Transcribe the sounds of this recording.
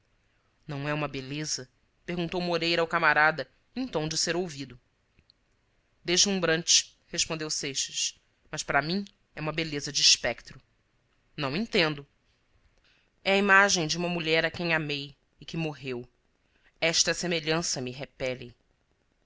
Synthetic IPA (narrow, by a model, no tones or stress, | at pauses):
nɐ̃w̃ɛũmɐbelezɐ | peɦɡũnt̪owmoɾejɾɐawkamaɾad̪ɐ | ẽnt̪ɐ̃w̃d͡ʒɪseɾowvid̪ʊ | d̪eʒlũbɾɐ̃nt͡ʃɪ̥ | heʃpõnd̪ewsejʃɐʃ | mɐʃpaɾɐmĩ | ɛũmɐbelezɐd͡ʒɪʃpɛkt̪ɾʊ | nɐ̃w̃ẽnt̪ẽnd̪ʊ | ɛɐimaʒẽj̃d͡ʒɪũmɐmuʎɛɾɐkẽj̃amej | ɪkɪmoɦew | ɛʃt̪ɐsemeʎɐ̃sɐmɪɦepɛlɪ